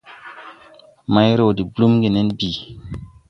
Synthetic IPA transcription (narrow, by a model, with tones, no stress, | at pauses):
ma˦jɾo˨di˨blu˦mɡi˨ne˦nbi˨